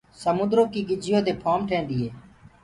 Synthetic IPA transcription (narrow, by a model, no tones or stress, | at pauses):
səmʊd̪ɾõːkiːɡɪd͡ʒɪjõːd̪eːpʰaːmʈʰẽːnd̪ɪːeː